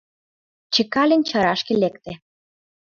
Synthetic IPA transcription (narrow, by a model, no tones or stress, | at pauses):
t͡ɕikɑlʲĕnʲt͡ɕɑɾɑʃkĕlekt̪ĕ